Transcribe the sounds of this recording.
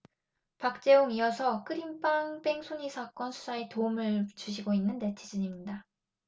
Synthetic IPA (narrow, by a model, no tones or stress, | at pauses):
pak̚t͡ɕ͈e̞oŋijʌsʰʌk͈ɯɾimp͈aŋbe̞ŋsʰoɲisʰak͈ʌnsʰu̥sʰaetoumɯɭt͡ɕuɕ̬ʰiɡoinːɯnte̞tʰid͡ʑuɲimɲida